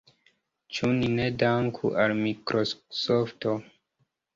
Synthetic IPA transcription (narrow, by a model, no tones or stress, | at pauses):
t͡ʃuninedaŋkʰṵʔalmikɾʔosofto